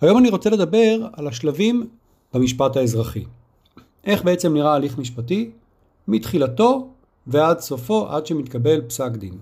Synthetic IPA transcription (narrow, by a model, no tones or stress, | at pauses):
hajo̞maniʁo̞t͡sele̞d̪abe̞ʁalaʃlavim | b̥amiʃpataezʁaχi | ʔe̞χbe̞et͡se̞mniʁaːliχmiʃpati | mitχilato̞ | vead̪so̞fo̞ʔa̰dʃe̞mit̪kabe̞lpsakd̪ḭn